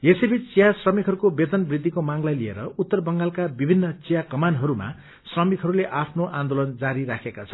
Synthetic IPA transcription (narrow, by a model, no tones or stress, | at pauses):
jesebʱit͡st͡sijasrʌmikɦʌɾukobed̪ʌnbrid̪ʱːikomaŋlajliḛɾʌut̪ːʌrbʌŋɡalkabibʱinːʌt͡sijakʌmanɦʌɾuma̰ | srʌmikɦʌɾuleʔapʰnoʔãnd̪olʌnd͡zaɾiɾakʰekat͡sʰʌ̥n